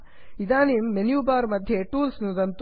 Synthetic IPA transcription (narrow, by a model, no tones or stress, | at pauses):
id̪aːnimːenjuːbaːɾmɐd̪ʱjeʈuːlsnud̪ɐnt̪